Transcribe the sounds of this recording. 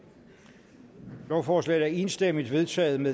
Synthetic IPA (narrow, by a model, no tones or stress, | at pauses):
lɒʊ̰fɒːslɛ̰ɪæɐe̝nsd̥em̰id̥ʋe̝ðˠt͡sʰɛ̰ːð̩ˠmeð